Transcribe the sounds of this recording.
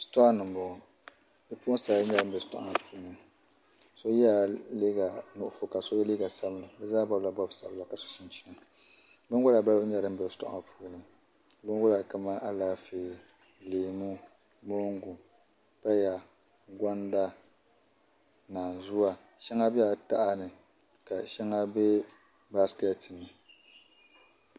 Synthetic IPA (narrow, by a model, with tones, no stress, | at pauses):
stɔ˦a˦nɨ˨m˨bʊ˨ | bɛ˦puː˦ʊ˦sa˨lɲɛ˨ɾɨ˦m̩˨bɛ˨tɔ̰˦ʔŋa˨pʰuː˦nɨ˨ | so˦jɛ˦a˨li˦ɡa˨nʊ˨ʔʊ˨fo˨ka˨so˦jɛ˦liː˦ɡa˨sa˦bla˨bɛ˦zaː˦ba˦bla˨bɔ˦bsa˦bla˨ka˨sʊ̥˨sɪ˦nt͡ʃi̥˦na˨ | bɨ˦ŋɡʊ˦la˨ba˦lbɲɛ˨ɾɨ˦m˦bɛ˨stɔ̰˦˨a̰˨ŋa˨pʰuː˦nɨ˨ | bɨ˦ɡʊ˦la˨ka˨ma˦ʔa˦laː˦feː˨ | leː˨mu˦ | mo˦ŋɡu˨ | pa˦ja˨ | ɡɔ˦nda˦ | naː˨zʊ˦wa˨ | ʃɛ˦ŋa˦bi˦a˨ta˦ʔa˦nɨ˨ | ka˨ʃɛ˦ŋa˦bɛ˦ | ba˦ska˦tɨ˨nːɨ˨